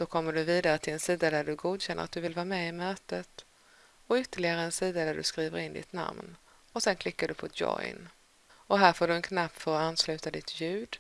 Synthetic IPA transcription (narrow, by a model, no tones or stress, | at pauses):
d̪̥ɔkʰɔmːəɖɵviːd̪aɾət̪ʰɪlɛnsiːd̪ad̪æɖɵɡuːd̪ɕɛnːəɾa̰t̪̚d̪ɵvɪlvɑːmɛɪmøːt̪ət̪ | ɔʏt̪ːəɭɪɡaɾəɛnsiːd̪ad̪æɖɵ̰skɾiːvə̰ɾɪnd̪ɪ̰t̪na̰mn | ɔsɛnkʰlɪkːaɖɵpʰɔd̪jɔ̰ɪn | ɔɦæːɾfoːɖɵɛnkʰnap̚t̪fəːɾɔanːslʉ̟ːt̪ad̪ɪt̪ʰjʉ̟ːd̪